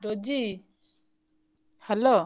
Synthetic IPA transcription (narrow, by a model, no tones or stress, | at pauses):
ɾɔd͡ʒi | hɛlo